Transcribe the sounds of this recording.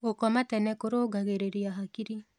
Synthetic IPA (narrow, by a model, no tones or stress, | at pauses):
okɔmatɛnɛkoɾoːɡaɣeɾeɾiaɦakiɾi